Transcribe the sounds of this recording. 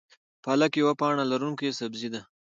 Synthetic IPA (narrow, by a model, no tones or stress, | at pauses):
palakewapɑɳalaɾuŋkesabzid̪a